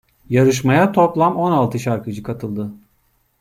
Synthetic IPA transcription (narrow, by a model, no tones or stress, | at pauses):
jaɾɯʃ̬majat̪ʰo̞plˠamo̞nalˠt̪ʰɯʃaɾkɯd͡ʒɯkʰat̪ʰɯlˠd̪ɯ